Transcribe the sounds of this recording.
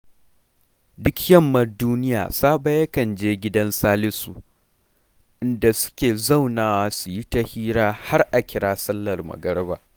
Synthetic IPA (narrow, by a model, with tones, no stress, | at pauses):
dʊ˦kjɐ˦˨mːɐ˨rduː˦nɪ˦ja̰ː˨saː˦ba˦jɐ˦kɐ˨nd͡ʒeː˦ɡʲɪ˦dɐ˦nsaː˦lɪ˦su˨ | ʔɪ˦nda˨sʊ̥˦kʲeː˨zɐ˦˨wnaː˨waː˦su˨ji˦tɐ˦hiː˦ɾaː˦ha˦rʔa˨kʲɪ˨˦ɽaː˦sɐ˦lːɐ˨rmɐ̰˨ɡɐ˦ɽba̰ː˨